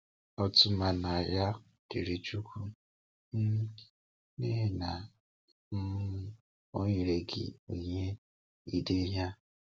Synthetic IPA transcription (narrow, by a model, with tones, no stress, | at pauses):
ɔ˦tʊ˦ma˨na˨ja˦ | ke˨ɾe˨t͡ʃu˦kʰu˦ | m̩˦ | ne˦ɦe˦na˨ | m̩˦ | o˦ɲe˨ɾe˨ɡɪ̰˨o˨ɲe˦ | i˦de˦ɦja˦